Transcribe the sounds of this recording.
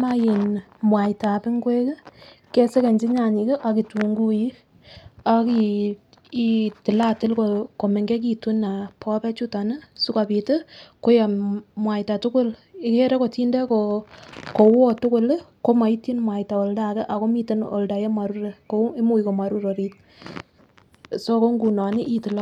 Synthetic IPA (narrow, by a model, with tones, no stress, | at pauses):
ma˦ji˨n | mwa˨jɪta˨pɪ˦ŋɡwe˦kɪ˦ | ke˦se˦ke˨ɲd͡ʒi˦ɲa˨ɲɪ˨ke˦ʔa˨ki˨tu˨ŋɡu˦ji˦ | a˨ki˨ | i˨tɪ˨la˦tɪ˦lkoko˨me˨ŋɡe˦k̬i˨tu˦na˨pɔ˦pɛ˦t͡ʃu˦ta˨nə˦su˦ka˨pi˨te˦ko˦ja˨mwa˨jta˨tʊ˦kʊ˦lɪ˦ke˦ɾe˦ko˨ti˦nde˦ko | ko˨wo˦tʊ˦kʊ˦lko˦ma˨i˦ti˦nmwa˨jta˨o˨lda˨kɛ˦ʔa˨ko˦mi˦te˦no̰˨lda˨je˦mwa˨ɾu˦ɾe˨ko˦e˦mu˦i˨ko˨ma˨ɾu˦ɾo˨ɾi˦t̚ | so˦ko˦ŋɡu˨na˨nɪ˦ʔi˦tɪ˨la˦